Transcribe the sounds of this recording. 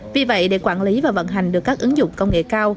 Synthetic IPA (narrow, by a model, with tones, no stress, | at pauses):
vi˨˩və̰˧˨jɗe˧˩kwaː˧˩nli˨˦vaː˨˩və̰˧˨nɦa˨˩jŋ̟ɗɨ˨˩əkːaː˦˥k̚ʔɨ˨˦ŋzʊ̰˧˨ŋ͡mkə˧wŋ͡mŋḛ˧˨kaː˧w